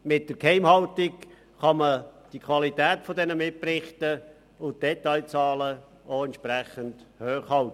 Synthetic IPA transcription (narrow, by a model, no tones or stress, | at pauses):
mɪt̚d̥əɾkhɛɪmhɑltɪk | χɑməd̥ikʰwɑlitɛːtfodɛnəmɪt̚prɪχtə | ʊnt̚d̥ɛtɑɪt͡sɑːlə | oɛntt͡ʃpræχəndhøːχhɑlt